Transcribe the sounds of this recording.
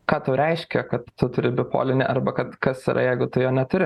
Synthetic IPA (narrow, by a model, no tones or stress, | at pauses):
kɑːt̪ʊɾʲɛɪʃʲkʲɛkɐt̪tʊt̪ʊɾʲɪbʲɪpo̰ːlʲɪnʲɪʔɐrbɐkɐt̪kɐsiːɾʔɐ̰jɛɪɡʊt̪ʊjoːnʲɛt̪ʊɾʲɪ